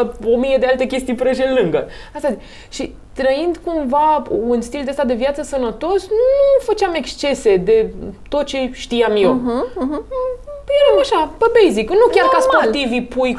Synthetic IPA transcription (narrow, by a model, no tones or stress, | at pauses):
o̞mijed̪ealt̪ekʲe̞st̪ijpɾeʒelɨŋɡəast̪a | ʃi | t̪ɾəind̪kumvaunst̪ild̪east̪ad̪e̞vjat̪səsənət̪o̞snufət͡ʃeame̞kst͡ʃe̞se̞d̪e̞t̪o̞t̪̚t͡ʃe̞ʃt̪ijamjew | jeɾamaʃapebejziknukʲarkaspot̪ivipuj